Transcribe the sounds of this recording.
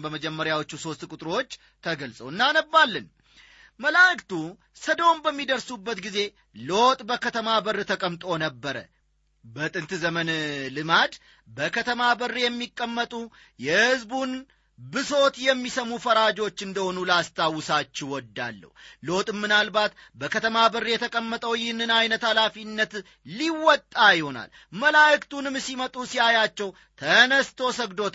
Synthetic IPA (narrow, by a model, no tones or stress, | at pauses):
bəməd͡ʒɛmːəɾjawot͡ʃːuso̞st̪kʼut̪ʼɾo̞t͡ʃː | t̪ʰəɡəlsʼəwɨnːanəbːalːɨn | məlakt̪u | səd̪ombəmːid̪əɾsubːət̪ɡize̞ | lo̞t̪ʼbəkʰət̪ʰəmabərːɨt̪ʰəkʼəmt̪ʼo̞nəbːəɾə̰ | bət̪ʼɨnt̪zəmənlɨmad̪ | bəkʰət̪ʰəmabərːjɛmːikʼːəmːət̪ʼu | jɛhɨzbun | bɨso̞t̪jɛmːisəmufəɾad͡ʒo̞t͡ʃːɨnd̪əho̞nulast̪ʰawʊsat͡ʃːɛwɔd̪ːa̰lːə̰hwlo̞t̪ʼɨmːɨnalbat̪bəkʰət̪ʰəmabərːijɛt̪ʰəkʼəmːət̪ʼəwjɪhnɨnajnət̪alafinːət̪ | liwɔt̪ʼːajɪho̞na̰l | məlajɨkt̪ʰunɨmsimət̪ʼusiajat͡ʃːɛw | t̪ʰənəst̪ʰo̞səɡd̪o̞t̪